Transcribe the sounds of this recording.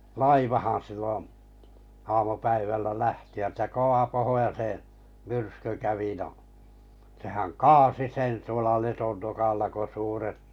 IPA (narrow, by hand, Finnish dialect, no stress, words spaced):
lɑiʋɑhɑ̃ː silːõː ɑːmupæiʋælːæ læhtiæt jɑ koʋɑ pohojɑse myrsky kæʋi no sehæŋ kɑːsi sen tuolɑ letonːokɑlːɑ ko suːret